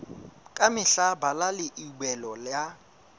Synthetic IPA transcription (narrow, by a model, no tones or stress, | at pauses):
kʼamɪɬabalalɪʔiɓɛlɔlja